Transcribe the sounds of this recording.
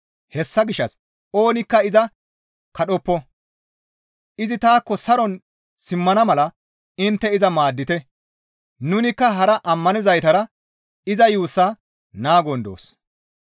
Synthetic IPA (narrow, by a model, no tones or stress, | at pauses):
hɛsːɐɡɪʃːɐs | o̞ːnɪkːɐɪzɐ | kɐɗɔpːɔ | ʔɪzɪt̪aːkːɔsɐɾɔn | sɪmːɐnɐmɐlɐ | ɪnt̪ːɛɪzɐmaːd̪ːɪt̪ɛ | nʊnɪkːɐɦɐɾɐʔɐmːɐnɪzɐjt̪ɐɾɐ | ɪzɐjuːsːa | naːɡɔnd̪o̰ːs